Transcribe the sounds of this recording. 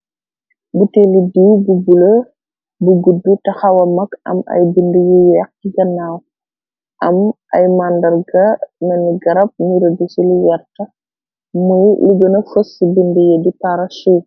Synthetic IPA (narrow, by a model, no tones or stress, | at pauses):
butelidiwbubulɐ | buɡudːutɐxɐwɐmɐkɐ̰mɐ̰jbindujijɛk̚kiɡɐnːaːw | ʔɐmʔɐ̰jmandɐɾɡɐnɐniɡɐɾɐp̚niɾɐdusilijɛɾtɐ | mujliɡənɐfosibindujedipaɾɐʃi